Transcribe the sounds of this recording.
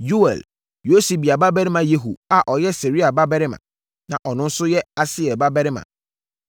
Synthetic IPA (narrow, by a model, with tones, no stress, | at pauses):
ju˦ɛ̰˨l | jo˦si˨bi˨a˨ba˦bɛ˦ɾɪ˦mã˨je˦ɦṵ˨a˨ʔɔ˨jɛ˦se˨ɾi˦a˨ba˦bɛ˦ɾɪ˦mã̰˨ | nã˨ʔɔ˨nʊ̃˦n̩˦sʊ˦jɛ˦a˦sɪ˦ɛ˨ba˦bɛ˦ɾɪ˦mã̰˨